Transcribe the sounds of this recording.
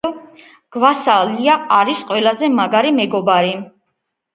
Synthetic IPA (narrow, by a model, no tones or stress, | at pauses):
ɡ̥vasaliaːɾisqʼwɛlazɛmaɡaɾimɛɡɔbaɾi